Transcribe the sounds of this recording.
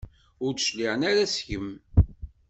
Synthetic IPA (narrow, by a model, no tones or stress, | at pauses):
ʊɾd̪ʃliʕənæɾæsçəm